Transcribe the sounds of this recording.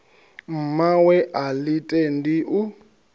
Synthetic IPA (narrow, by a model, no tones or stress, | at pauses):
m̩mawɛʔalitʼɛndiʔu